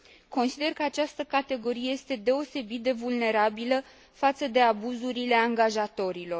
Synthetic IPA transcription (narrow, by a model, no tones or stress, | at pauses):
ko̞nsid̪e̞rkəat͡ʃast̪əkat̪e̞ɡo̞ɾije̞je̞st̪e̞d̪e̞o̞se̞bit̪̚d̪e̞vulne̞ɾabilə | fat̪səd̪e̞abuzuɾile̞aŋɡaʒat̪o̞ɾilo̞r